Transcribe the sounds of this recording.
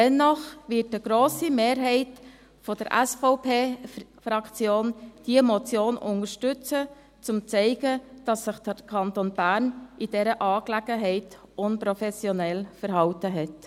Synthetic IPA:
dɛnːɔχʋɪtəɡ̥ɾoːsimeːɾɦɛɪt | fɔd̥əɾʔæ̰sfɔʊpʰeːfɾɑkt͡sjoːnd̥iəmɔt͡sjoːnʊ̰nəʃtʏt͡sə | t͡sʊmt͡sɛɪɡəd̥ɑsːɪχd̥əkʰɑntoːnb̥æːɾnid̥ɛɾəʔɑːklæɡ̥əɦɛɪt | ʔʊnpɾɔfɛsjonɛlfəɾɦɑltəɦɛt

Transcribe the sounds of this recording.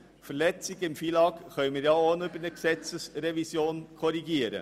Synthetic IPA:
fəɾlɛt͡sɪɡ̥ɪmfiːlɑːɡχœʏmiːɾjɑːonybəɾnəksɛt͡səsɾɛvisjoːnkʰɔɾiɡiəɾə̰

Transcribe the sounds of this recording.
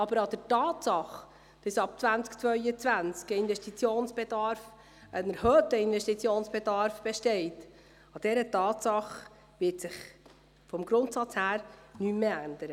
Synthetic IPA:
ɑbəɾɑd̥̪əɾtɑːtsɑχ | d̥ɑsɑp̚t͡svænt͡skt͡sʋœʏət͡sʋænt͡skəɪnvɛʃtit͡sjoːnsb̥edɑɾf | ʔənəɾhœːtəɪnvɛʃtit͡sjoːnsb̥edɑɾfb̥ɛʃtɛɪt | ɑd̥ɛɾətɑːtsɑχ | ʋɪtsɪχ | fɔmɡɾʊntsɑt͡shæːɾnymmeænd̥̪əɾə

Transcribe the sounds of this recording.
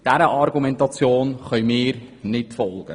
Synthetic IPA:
d̥æɾəʔɑrɡymɛntɑt͡sjoːnχœɥmiːrnitfɔlˠɡə̰

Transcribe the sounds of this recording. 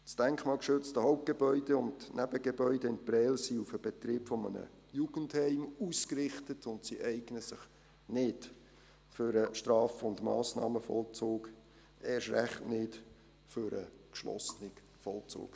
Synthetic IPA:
sd̥ɛŋkχmɑːlkʃʏt͡stəhɔʊp̚t̚ɡ̥ebœʏd̥eʊndnæb̥əɡebœʏdəɪnt̚prɛːlsiufəb̥et̪rɪːpfɔmə̰nə̰ | juɡ̥ənthɛɪmuːskrɪχtətʰʊntsiʔɛɪɡ̥nəsɪχ | nɪt | føɾəʃtrɑːfəʊndmɑ̰ːsnɑ̰ːməfɔ̰lt͡soːk | ʔɛːʃrɛχtnɪt | føɾə̰kʃlɔ̰snɪɡ | fɔlt͡so̰ːk

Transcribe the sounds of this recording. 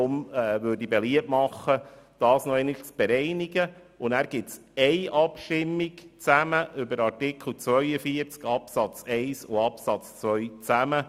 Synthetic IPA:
ʊmɛːʋøɾdibeliəpmɑχːəd̥ɑːsnɔɛɪnət͡sb̥ɛɾɛɪniɡə | ʊnæːɾɡ̥ɪtt͡sɛɪʔɑpʃtɪmːiɡt͡sæməʔʏbəɾɑɾtɪkʰl̩t͡sʋœʏəfiəɾt͡skɑpsɑt͡sɛɪsʊɑpsɑt͡st͡sʋœʏt͡sæmə

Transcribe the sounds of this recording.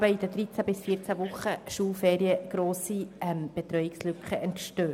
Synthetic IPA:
bəid̥əd̪ɾit͡sæbɪsfiːɾt͡sævʊχəʃuːlfɛːɾiəɡ̥ɾoːsiɛmb̥ɛt̪ɾœʏɪkslʏkχəɛntʃtøː

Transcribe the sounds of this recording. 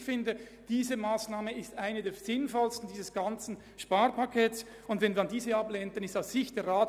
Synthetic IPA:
fɪndə | d̥iːzəmaːsnaːməɪstaɪnədeːz̥ɪnfɔlstn̩diːzəsɡ̥ɑnt͡sn̩ | ʃpaːɾpakʰɛːts | ʊndvɛnviːɐandiːzəɑbleːntnɪstaʊsz̥ɪçt̚d̥eːɾʁaːt

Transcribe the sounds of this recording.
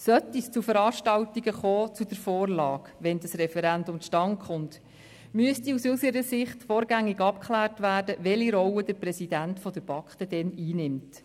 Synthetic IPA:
sœtist͡sufəɾɑːʃtɑwtiɡəχɔːt͡sud̥əɾfɔːrlɑːɡʋɛndəsrɛfɛɾændʊmʃtɑŋkχʊnt | myəstiusysəɾəsɪχtfɔːɾɡæŋːiɡɑpkʰχlæːrtʋæːɾd̥əʋɛliɾɔwəd̥əɾpɾɛsidæntfɔd̥əɾb̥ɑkχtədɛniːnɪmt

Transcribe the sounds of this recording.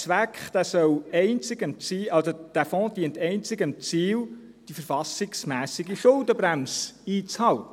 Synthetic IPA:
t͡sʋækχd̪æsœwɛɪnt͡sɪɡəmt͡siːɑlsod̥æfɔ̃ːd̪̥iəntɛɪnt͡sɪɡəmt͡siːl | d̥ifəɾfɑsɪksmæːsɪɡiʃʊldəbɾæmsiːt͡shɑltə

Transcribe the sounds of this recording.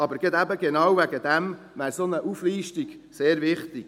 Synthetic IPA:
ɑbəɾɡ̥əd̪æbəɡenɑwvæɡəd̪æm | mæːɾsonəʔufliːʃtiɡ | seːɾvɪχt̪ik

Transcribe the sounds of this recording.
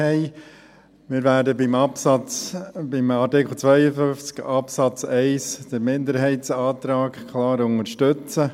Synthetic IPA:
ɛɪ | mɪːɾvæːɾdəbɪmɑpsɑt͡sbɪmɑtɪkχl̩t͡sʋœjəfʏft͡skɑpsɑt͡sɛɪsd̥əɾmɪndəɾɦɛɪtsɑːt̪ɾaːkkʰlɑːɾʊŋəɾʃtʏt͡sə

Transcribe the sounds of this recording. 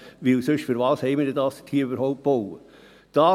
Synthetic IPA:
ʋɪlsøʃfyɾʋɑːshɛɪmɪddɑːstʰhiːɾybəɾhoʊp̚b̥owə | d̥ɑː

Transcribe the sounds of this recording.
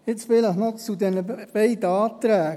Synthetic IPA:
ɪt͡sʋɪləχnɔt͡sud̪ɛnəb̥ɛɪdəɑːt̪ɾɛːɡ

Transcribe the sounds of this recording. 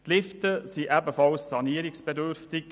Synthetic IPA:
tlɪftəsiʔæbəfɑlssɑniəɾɪksb̥ɛdøɾftɪk

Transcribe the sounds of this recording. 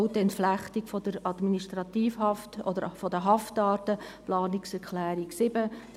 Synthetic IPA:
wt̪ɛntflæχtikfɔd̥əɾɑd̪miniʃtɾɑt̪iːfhɑftɔ̰dəɾfɔdəɦɑftɑːtəplɑːniksɛɾkʰlæːɾiksɪbəd̥

